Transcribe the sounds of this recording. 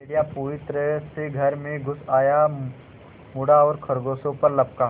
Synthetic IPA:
eɽijapoʋɪt̪ɾəseɡʱɐɾmẽɡʱʊsaːja | mʊɽaɔːɾkʰɐɾɡoːsõpɐɾlɐp̚kaː

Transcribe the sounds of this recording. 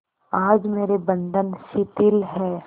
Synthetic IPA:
aːd͡ʒmeːɾebə̃nd̪ʱənsɪt̪ɪlɦɛː

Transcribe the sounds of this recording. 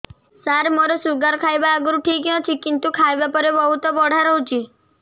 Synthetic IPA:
saɾmoɾɔsuɡaɾkʰajbaːɡuɾuʈʰikɦɔt͡ʃʰikint̪ukʰajbapɔɾebɔɦut̪ɔbɔɽ̤aɾɔɦut͡ʃʰi

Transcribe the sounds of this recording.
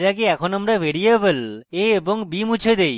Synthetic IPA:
ɾakeɛkʰonamɾaʋeɾiebəleeboŋbimut͡ɕʰed̪ej

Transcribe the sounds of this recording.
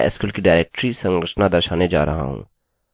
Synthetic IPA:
ɪ̰skuːlkiɖaːɪɾeːk̚ʈɾisɐ̃ŋɡɾəʃnad̪ɐɾʃaːned͡ʒa̰ːɾɐ̰ɦa̰ɦṵ̃ː

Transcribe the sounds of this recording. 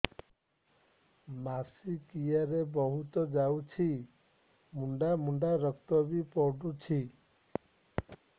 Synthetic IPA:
masikijaɾebɔɦut̪ɔd͡ʒaut͡ʃʰi | muɳɖamuɳɖaɾəkt̪ɔbipɔɖut͡ʃʰi

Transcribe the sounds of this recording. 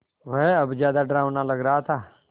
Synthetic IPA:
ʋəɦɐbd͡ʒjaːd̪aɖɾaːʋnalɐɡɾəɦat̪ʰaː

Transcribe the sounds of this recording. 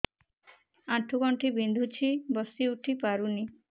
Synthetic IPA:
aʈʰːuɡɔɳʈʰibind̪ʱut͡ʃʰibɔsiuʈʰipaɾuni

